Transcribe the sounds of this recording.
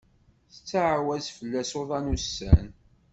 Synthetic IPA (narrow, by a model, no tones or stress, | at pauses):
θə̥t͡sːaʕwæzfəlːæsoðˤɑnusːæ̰n